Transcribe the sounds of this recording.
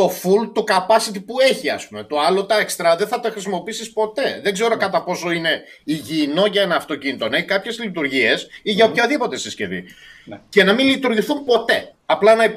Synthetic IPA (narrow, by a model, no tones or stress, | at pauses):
t̪o̞fult̪ukɐpɐsit̪̬ipue̞çiɐ̰spume̞t̪o̞ɐlo̞t̪ɐekst̪ɾɐðeθɐt̪ɐxɾis̬imo̞piisispo̞t̪e̞ðeɡze̞ɾo̞kɐt̪ɐpo̞so̞ine̞ | iʝino̞ʝɐenɐːft̪o̞cinit̪oneçikɐpçe̞zlit̪̬uɾʝie̞siʝɐopçɐðipo̞t̪e̞sisce̞̰vḭce̞nɐminlit̪uɾʝiθumpo̞t̪e̞ | ɐplɐnɐi